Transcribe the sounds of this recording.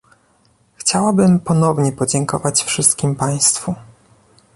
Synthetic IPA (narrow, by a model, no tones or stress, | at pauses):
xt͡ɕawabɘmpɔnɔvɲɛpɔd͡ʑɛŋkɔvat͡ɕfʂɘst̪kʲimpaj̃st̪fu